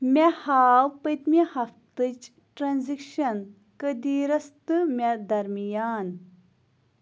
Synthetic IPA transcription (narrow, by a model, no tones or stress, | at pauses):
mʲɛhaːwpəjt̪mihɐft̪ɨt͡ʃ | ʈɾanzikʃɐn | kəd̪iɾɐst̪ɨmʲɛd̪ɐɾmijaːn